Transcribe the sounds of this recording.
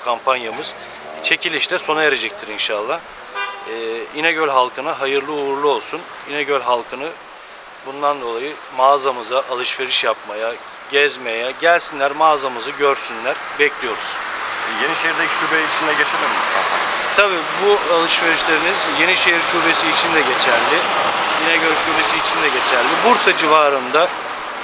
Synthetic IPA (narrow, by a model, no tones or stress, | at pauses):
kʰampʰanjamɯz̥ | t͡ʃʰe̞cʰilʲiʃt̪ʰɛso̞najeɾed͡ʒɛc̚t̪ʰiɾinʃalˠːa | ɛinɛɟølʲɦalˠkʰɯnɯɦajɯɾlˠɯouɾlˠuo̞lˠsun | inɛɟølʲɦalˠkʰɯnɯ | bund̪and̪o̞lˠajɯ | maːzamɯzaʔalˠɯʃve̞ɾiʃjapmaja | ɟɛzmejɛɟælʲsinlʲæɾmaːzamɯzɯɟø̞ɾsynlʲæɾ̥bɛclʲijo̞ɾuz̥jeniʃejiɾd̪ecʰi̥ʃuːbeit͡ʃʰind̪ɛɟet͡ʃʰelʲimit̪ʰaat̪ʰabiːbualˠɯʃve̞ɾiʃlʲeɾinizje̞niʃejiɾʃuːbesiːt͡ʃʰind̪ɛɟe̞t͡ʃʰæɾd̪ɪjinɛɟøɾʲʃuːbe̞siːt͡ʃʰind̪ɛɟe̞t͡ʃʰæɾld̪ibuɾsad͡ʒivaːɾɯnd̪a